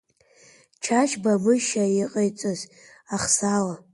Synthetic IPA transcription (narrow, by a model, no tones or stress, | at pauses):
t͡ʃʰat͡ʃʰbavɨʃaiqʼejt͡sʼoz | aχsala